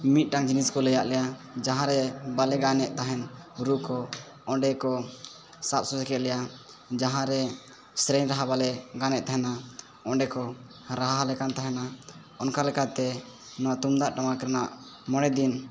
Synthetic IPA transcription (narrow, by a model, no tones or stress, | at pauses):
mit̪̚ˀʈaŋd͡ʒiniskɔlɛjaʔlɛjad͡ʒaɦãɾɛbalɛɡanɛʔt̪aɦɛnuɾukɔ | ɔɳɖɛkɔ | sap̚susɛkɛʔ̪̚lɛja | d͡ʒaɦãɾɛ | sɾɛnɾaɦabalɛɡanɛʔt̪aɦɛna | ɔɳɖɛkɔ | ɾaɦaɦalɛkant̪aɦɛna | ɔnkalɛkʰat̪ɛ | nɔwaʔt̪umd̪aʔʈamakɛɾanaʔ | mɔɽ̃ɛd̪in